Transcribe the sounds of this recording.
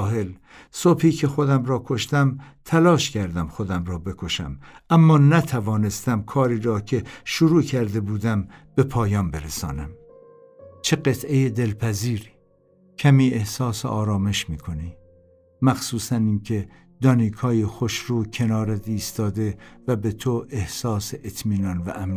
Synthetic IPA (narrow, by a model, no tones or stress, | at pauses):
ɦel | sobhiːcʰe̞xod̪æmɾɒːkʰo̞ʃt̪æmt̪ʰælɒːʃcʰæɾd̪æmxo̞d̪æmɾɒːbe̞kʰo̞ʃæ̰mʔæmːɒːnæt̪ʰævɒːne̞st̪æmkʰɒːɾiːɾɒːcʰe̞ʃuɾuːcʰæɾd̪e̞buːd̪æmb̥e̞pʰɒːjɒːnbe̞ɾesɒ̰ːnæm | t͡ʃʰe̞ɢet̪ʰe̞jed̪e̞lpʰæziːɾiː | cʰæmiːe̞hsɒːseʔɒːɾɒːme̞ʃmiːkʰo̞niː | mæxsuːsæniːkʰe̞ | d̪ɒːnikʰɒːjexoʃɾuːcʰe̞nɒːɾed̪iːst̪ɒːd̪e̞væbet̪ʰoʔe̞hsɒːseʔet̪ʰmiːnɒnvæ̰ʔæm